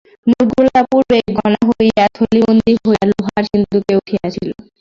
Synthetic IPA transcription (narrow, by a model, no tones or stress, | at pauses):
muɾɡulapuɾbekɡɔnaɦojat̪ʰolibond̪iɦoaluɦaɾʃind̪ukeuʈʰiat͡ɕʰilo